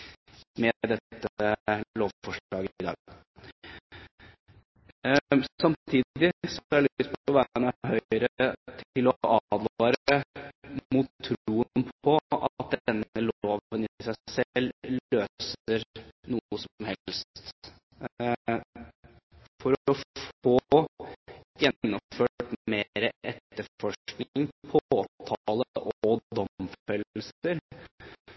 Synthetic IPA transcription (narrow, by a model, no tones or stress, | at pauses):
mɛd̪ɛt̪ːəloːʋfɔʂɑːɡəɪd̪ɑ̰ːɡ | ssɑmt̪ʰiːdd̪ɪsɔælst̪pʰɔʋæːɳɑɦœʏəɾət̪ʰɪlɔʔɑd̪lːɾ | mʊt̪ʰːɾuːənpʰɔɑ̰t̪̚d̪ɛnːəloːʋənɪsæɪsɛlːøːsəɾnuəsɔmhɛlst̪t̪ | fɔɾɔfoː | jɛnːɔmføːʈmeːɾəʔɛt̪ːəɾfɔʂknŋpʰɔoːt̪ʰɑləʔɔɔd̪ɔmffœllsəɾ